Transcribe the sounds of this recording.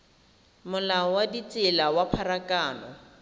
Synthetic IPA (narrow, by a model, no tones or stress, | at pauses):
mʊlaɔwadit͡sʼɪlawapʰarakʼaːnɔ